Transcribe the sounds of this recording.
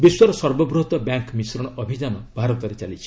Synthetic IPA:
biswaɾɔsɔɾbɔbɾuɦt̪ɔbjaŋkmisɾɔɽ̃ɔʔɔbʱid͡ʒanɔb̥ʱaɾɔt̪ɔɾet͡ʃalit͡ʃʰi̥

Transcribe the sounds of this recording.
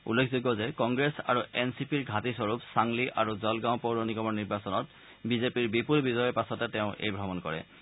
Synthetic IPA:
ṵlːekʰzuɡɔzɛkɔŋɡɹesa̰ɹuɛnsipiɹɡʱatisɔɹupsaŋliʔaɹuzɔlɡãʊ̃powɹonikɔmɔɹniɹbasɔnɔt | bizepiɹbipulbizɔjɔpasɔtɛtɛʊ̃ʔḛjbʱɹɔmɔnkɔɹɛ̰

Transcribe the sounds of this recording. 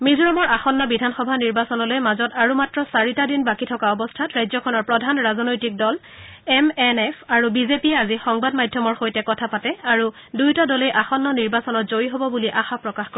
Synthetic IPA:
mizɔɹɔmɔɹaxɔnːɔbidʱanxɔbʱaniɹbasɔnɔlojmazɔtaɹumatɹɔsaɹitadinbakitʰɔkaɔbɔstʰatɹajzɔkʰɔnɔɹpɹɔdʱanɹazɔnojtik̚dɔl | ɛmɛnɛfʰaɹubizepiɛazixɔŋbadmajdʱjɔmɔɹxojtɛkɔtʰapatɛaɹu | dujtadɔlejʔaxɔnːɔniɹbasɔnɔtzoɹiɦobɔbuliʔaxapɹɔkaxkɔ

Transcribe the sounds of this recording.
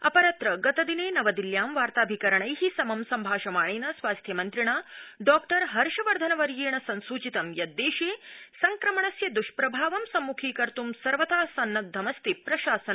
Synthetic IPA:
ɐ̰pɐɾɐt̪ɾɐɡɐt̪ɐd̪ineːnɐʋɐd̪iljaːmʋaːɾt̪aːbʱikɐɾɐɳɐjɦisɐmɐmsɐmbʱaːʃɐmaːɳeːnɐsʋaːst̪ʰjɐmɐnt̪ɾiɳaːɖɔːkʈɐɾɦɐɾʃɐʋɐɾd̪ʱɐnɐʋɐɾjeːɳɐsɐnsuːt͡ʃit̪ɐmjɐd̪ːeːʃeːsɐŋkɾɐmɐɳɐsjɐd̪uʃpɾɐbʱaːʋɐmsɐmːukʰiːkɐɾt̪umsɐɾʋɐt̪aːsɐnːɐd̪ʱːɐmɐst̪ipɾɐʃaːsɐnɐ

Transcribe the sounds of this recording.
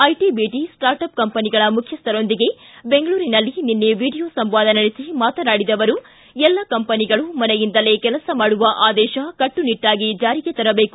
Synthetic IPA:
ɐjʈibiːʈisʈaːɾʈɐp̚kɐmpɐniɡɐɭɐmukʰjɐst̪ɐɾo̞nd̪iɡe̞be̞ŋɡɐɭuːɾinɐlːininːeʋiːɽijoːsɐmʋaːd̪ɐnɐɽisimaːt̪ɐnaːɽid̪ɐʋɐɾu | ɛlːɐkɐmpɐniɡɐɭumɐnɛjind̪ɐle̞ːkɛlɐsɐmaːɽuʋɐʔaːd̪ɛːʃɐkɐʈːuniʈːaːɡid͡ʒaːɾiɡet̪ɐɾɐbe̞ːku̥

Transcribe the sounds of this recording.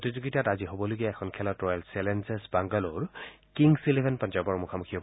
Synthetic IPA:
otizuɡitataziɦobɔloɡijaɛkʰɔnkʰɛlɔtɹɔjalsɛlɛnsɛsbaŋɡaloɹ | kiŋsilebʱɛnpãnzɔɹbɔɹmukʰamukʰiɔ

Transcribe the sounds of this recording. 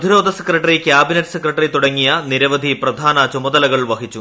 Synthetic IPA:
d̪ʱiɾo̞ːd̪ʱɐsekrɐʈːɐrikʲjaːbinɐʈːɨ̥sekrɐʈːɐrit̪uɽɐŋːijɐniɾɐʋɐd̪ʱiprɐd̪ʱaːnɐt͡ɕumɐd̪ɐlɐɣɐɭʋɐɦit͡ɕːu

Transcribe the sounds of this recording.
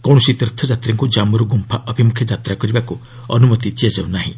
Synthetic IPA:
kɔw̃ɔsit̪iɾt̪ʰɔd͡ʒat̪ɾaŋkud͡ʒamɔɾuɡumpʰaʔɔbʱimukʰjɔd͡ʒat̪ɾakɔɾibaku | ɔ̰numɔt̪it̪iad͡ʒawnaɦḭ̃

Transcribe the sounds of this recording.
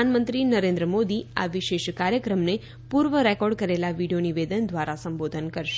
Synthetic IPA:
anmə̃nt̪ɾinəɾẽnd̪ɾəmod̪ia̰ʋɪʃeʃkaɾjəkɾəmne | puɾʋəɾɛkɔɖkəɾelaʋiɽijoniʋed̪ənd̪ʱʋaɾasəmbod̪ʱənkəɾʃe̥

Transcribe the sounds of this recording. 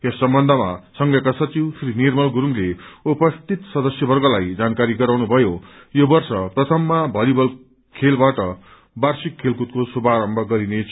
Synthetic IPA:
esːʌmbʌnd̪ʱʌmasʌŋɡjʌkasʌt͡siwsʰɾinirmʌlɡuɾuŋleupʌst̪it̪sʌd̪ʌsjʌbʌrɡʌlajd͡zankaɾiɡʌɾawnubʱʌjo | jobʌrsʌprʌt̪ʰʌmːabʱʌlibʌl | kʰelbaʈʌ | barsikʰːelkut̪̚kosubaɾʌmbʱʌɡʌɾinet͡sʰ

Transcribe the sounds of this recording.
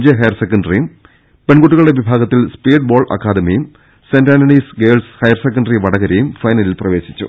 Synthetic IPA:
d͡ʑeɦɐjɐrsekːɐɳɖɐrijum | peɳɡoʈːuɣɐɭɽeʋibʱaːɡɐt̪ːilspiːɖ̚bo̞ːɭɐ̰kːaːd̪ɐmɐjum | sendaːnɐnisɡeːlshɐjɐrsekːɐɳɖriʋɐɽɐɣɐɾejumfɐjnɐlilprɐʋe̞ːɕit͡ɕːṵ

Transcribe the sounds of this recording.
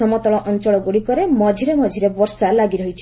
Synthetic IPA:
ɔmɔt̪ɔɭɔʔɔnt͡ʃɔɭɔɡuɽikɔɾemɔd͡ʒʱiɾemɔd͡ʒʱiɾebɔɾsalaɡiɾɔɦit͡ʃʰ

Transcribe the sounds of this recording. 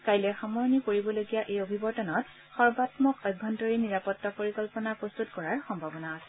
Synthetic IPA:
kajlɛxamɔɹɔnikoɹibɔloɡijaʔejobʱibɔɹtɔnɔt | xɔɹbatmɔkɔjbʱːɔntɔɹiniɹapɔtːapoɹikɔlpɔnapɹɔst̪utkɔɹaɹxɔmbʱabɔnaːsɛ

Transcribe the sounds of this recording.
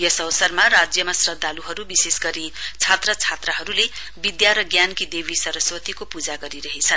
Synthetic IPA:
jʌsʌwsʌrmaɾad͡zjʌmasrʌd̪ʱːaluɦʌɾubisesɡʌɾit͡sʰat̪rʌt͡sʰat̪rʌɦʌɾule | bid̪jaɾʌɡjankid̪ebisʌɾʌswʌt̪ikopud͡zaɡʌɾiɾʌɦet͡sʰʌn

